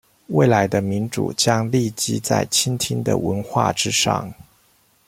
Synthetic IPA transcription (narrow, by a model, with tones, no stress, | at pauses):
we˥˩ɪla˧˥ɪd̪ə˧mi˧˥nʈ͡ʂṵ˨˩t͡ɕjɑ˥ŋli˥˧˩t͡ɕi˥t͡sa̰˥˩ɪt͡ɕʰi˥nt̪ʰi˥ŋd̪ə̰˨wə˧˥nxwa̰˥˩ʈ͡ʂɻ̩˥ʂɑ̰˥˩ŋ